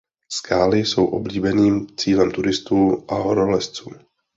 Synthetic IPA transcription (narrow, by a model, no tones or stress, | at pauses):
skaːlɪso̞wʔo̞̰bliːbɛniːmt͡siːlɛmt̪uɾɪst̪uːʔaɦoɾolɛst͡suː